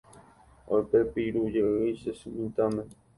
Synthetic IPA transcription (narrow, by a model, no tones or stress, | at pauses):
ojpepiɾud͡ʒeɨjsesumĩnt̪amẽ